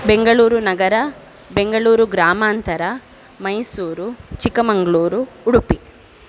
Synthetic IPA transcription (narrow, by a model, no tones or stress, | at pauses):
be̞ŋɡɐɭuːɾunɐɡɐɾɐ | be̞ŋɡɐɭuːɾuɡɾaːmaːnt̪ɐɾɐ | mɐjsuːɾut͡ʃikɐmɐŋɡɐɭuːɾuːɽupi